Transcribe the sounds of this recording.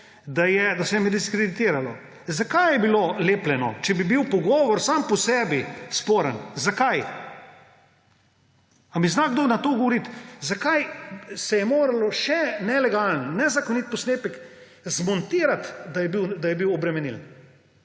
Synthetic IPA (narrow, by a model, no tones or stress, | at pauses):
d̪ajɛd̪asɛjɛmɛd̪iskɾed̪it̪iːɾalɔ | zakajjɛbiloleːplɛnɔ̰t͡ʃɛbibiwpɔɡɔːʋɔɾsampɔsɛːbispoːɾənzakaj | amiznaɡd̪onat̪oːɡɔʋɔɾit̪zakajsɛjɛmoːɾalɔʃɛnɛlɛɡalənnɛzakɔnit̪̚pɔsneːpək | zmɔnt̪iːɾat̪d̪ajɛbiwd̪ajɛbiwɔbɾɛmɛniln